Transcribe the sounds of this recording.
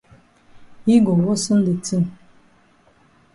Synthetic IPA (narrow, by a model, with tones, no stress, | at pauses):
i˦ɡɔ˨wo˦sɨ˦n˦də˨t͡si˦˨m